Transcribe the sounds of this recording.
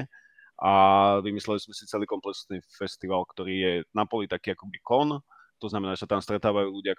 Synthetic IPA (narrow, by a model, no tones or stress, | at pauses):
ʔaʋimislɛliz̥mɛsit͡sɛliːkɔmplɛksnifɛst̪iʋalkt̪ɔɾiːjɛnapɔlit̪akiːakɔbikɔn | t̪ɔznamɛnaːʒɛsat̪aːmst̪ɾɛt̪aːʋajuːluɟɪak